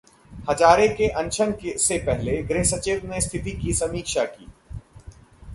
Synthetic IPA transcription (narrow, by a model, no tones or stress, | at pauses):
hɐd͡ʒaːɾekeʔɐ̃ɲt͡ʃʰənksepɛɦleɡɾɪɦsɐt͡ʃɪʋnest̪ʰɪt̪ikisɐmiːkʃakḭː